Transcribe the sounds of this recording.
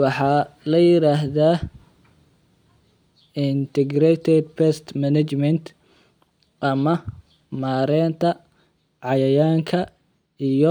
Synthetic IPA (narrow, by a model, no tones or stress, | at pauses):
wɑħɑːlɐjɪɾaːɦðaː | ɪnt̪ʰɛɡɾɛt̪ʰɛd̪̚pʰɛst̪mɐnɐt͡ʃmɛnt̪ | ʔɐmɐ | maːɾɛːnt̪ʰɐ | ʕɑjɐjaːŋkʰɐ | ijɔ